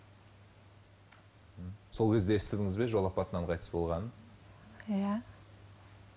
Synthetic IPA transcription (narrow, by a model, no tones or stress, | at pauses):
əso̞lˠkʲʰe̞zd̪eest̪ed̪ɪŋɪzbe̞ʒo̞lˠɑpɑt̪ənɑɴqʰɑjt̪ə̥sbo̞lˠʁɑnən | ja